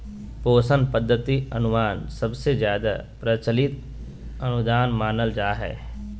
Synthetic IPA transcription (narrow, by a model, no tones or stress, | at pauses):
poːsənpəd̪ʱːət̪iɐnʊmaːnsɐbsezjaːd̪a̰pɾət͡ʃəlɪt̪ | ɐnʊd̪aːnmaːnəld͡ʒaːɦɛ̰ː